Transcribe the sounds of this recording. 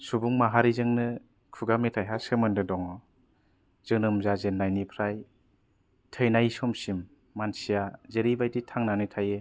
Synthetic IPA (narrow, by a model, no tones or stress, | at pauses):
subuŋmaɦaɾizɯŋnɯ | kʰuɡametʰajɦasɯmɯndɯdɔŋɔ | zɯŋnɯɯmzazenːajnipʰɾaj | tʰɯjnajsɔmsimː | ansijazeɾibajtitʰaŋnanɯtʰaje